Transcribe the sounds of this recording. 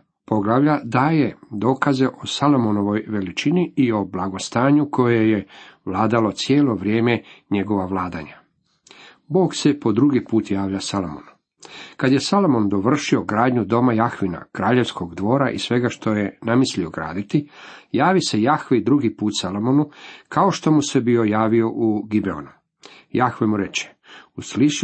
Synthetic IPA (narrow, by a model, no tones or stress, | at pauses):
po̞ɡlˠaʋʎad̪aːje̞d̪o̞ːkaze̞ʔo̞salo̞mono̞ʋo̞jʋe̞lit͡ʃiniio̞blaɡo̞st̪aːɲukʰo̞jeje̞ʋlaːd̪alo̞t̪sjeːlo̞ʋɾje̞ːme̞ɲe̞ɡo̞ʋaʋlaːd̪aɲa | bo̞ːɡse̞po̞d̪ɾuɡipuːt̪jaːʋʎasalomo̰nu | kad̪je̞salomo̞nd̪o̞ʋr̩ʃio̞ɡɾaːd̪ɲud̪o̞majaxʋina̰kɾaːʎe̞ʋsko̞ɡd̪ʋo̞ːɾaʔḭsʋe̞ɡaʃt̪o̞je̞namislio̞ɡɾa̰ːd̪it̪ijaːʋise̞jaxʋeid̪ɾuɡipuːt̪salomonukʰao̞ʃt̪o̞muse̞bio̞jaːʋio̞ʔuɡibe̞o̰nu | jaxʋemuɾe̞t͡ʃe̥ | usliʃ